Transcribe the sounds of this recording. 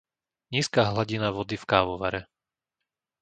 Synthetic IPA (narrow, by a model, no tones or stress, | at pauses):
ɲiːskaːɦlaɟinaʋɔd̪ifkaːʋɔʋa̰ɾɛ